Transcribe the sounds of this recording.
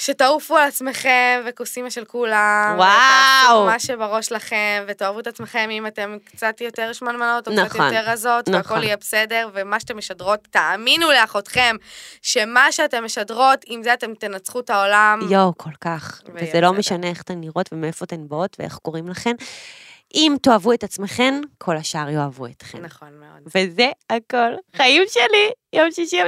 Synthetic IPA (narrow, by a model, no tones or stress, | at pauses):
ʃe̞taufualat͡sme̞χe̞mve̞kusimaʃe̞lkulamwawmaʃebaʁo̞ʃlaχe̞mve̞toavuet̪at͡smeχe̞mimate̞mkt͡satjo̞te̞ʁʃmanmano̞tonkaaajoteʁazo̞taakolijɛbesede̞ʁvemaʃatemeʃadʁo̞t̪ːaːminuleaχo̞t̪χe̞mʃe̞maʃeate̞mːeʃadʁo̞timzeate̞mt̪enat͡sχutaolamjowkʰolkaχvvezelo̞meʃaneeχat̪enniʁo̞tvemeefot̪enbotveḛχko̞ʁimlaχe̞m | ʔimt̪oavuetat͡smeχe̞mkʰo̞laʃaʁjoavuet̪χḛnaχonmeodvezeakolχaimʃelijomʃiʃim